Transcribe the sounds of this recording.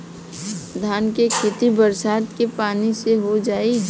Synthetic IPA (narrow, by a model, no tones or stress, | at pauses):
d̪ʱaːnkekʰeːt̪ibəɾsaːt̪kepaːniseɦod͡ʒaːi